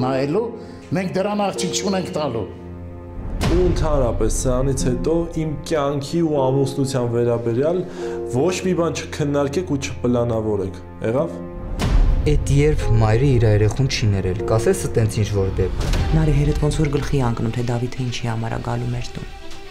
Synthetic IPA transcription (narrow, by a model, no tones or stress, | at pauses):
nɑjɛlu | mɛŋk̚d̪əɾɑnɑχt͡ʃʰik̚t͡ʃʰunɛŋkʰt̪ɑlu | uənt̪ʰɑnɾɑpɛsːəɾɑnit͡sʰhɛt̪ɔimkjɑŋkʰiuɑmusnut͡sʰjɑnvɛɾɑbɛɾjɑlvɔt͡ʃʰmibɑnt͡ʃʰə̥kʰənːɑɾkɛkʰut͡ʃʰə̥pəlɑnɑvɔɾɛkʰ | ɛʁɑv | ɛt̪jɛɾpʰmɑjɾəiɾɑɛɾɛχunt͡ʃʰinɛɾɛlkɑsɛt͡sʰət̪ɛnt͡sʰint͡ʃʰvɔɾd̪ɛp̚kʰnɑɾiɦɛɾɛt̪ʰvɔnt͡sʰvɔɾɡəlχiɛɑŋknumt̪ʰɛd̪ɑvit̪ʰəint͡ʃʰihɑmɑ̰ɾɑ̰ɡɑ̰lumɛɾt̪ṵn